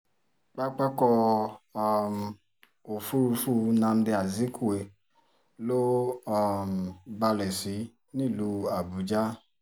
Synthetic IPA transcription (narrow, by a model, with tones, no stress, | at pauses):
k͡pa˦k͡pa˦kɔ˧a˦m˨ | o˨fu˦ɾu˧fu˦nã˧n̩˦de˧a˨zi˨˦kʰu˦˨we˨ | lo˦ɔ˦˧˨m˨ba˧lɛ˨si˨˦ | nĩ˦˨lu˧˦a˨bu˨˦d͡ʒa˦